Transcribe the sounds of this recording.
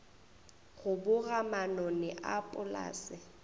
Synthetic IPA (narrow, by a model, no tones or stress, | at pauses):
ɣʊbʊɣamanɔnɛʔapʼʊla̰ːsɪ